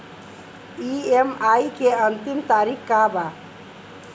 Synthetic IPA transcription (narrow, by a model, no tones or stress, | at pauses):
iemajkeənt̪imt̪aɾikkaba